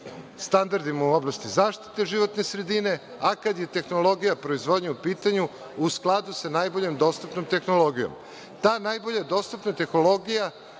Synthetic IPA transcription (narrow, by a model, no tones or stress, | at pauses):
st̪and̪aɾd̪imauoblˠast̪izaːʃt̪i̥t̪e̞ʒiʋo̞t̪ne̞sɾed̪ine̞ | akad̪je̞t̪e̞xno̞lo̞ɡijapɾo̞izʋo̞d̪ɲaupiːt̪aɲu | usklˠad̪usanajbo̞ʎe̞md̪o̞ːst̪upnomt̪e̞xnolo̞ɡijo̰m | t̪aːnajbo̞ʎad̪o̞ːst̪upnat̪e̞xnolˠo̞ɡija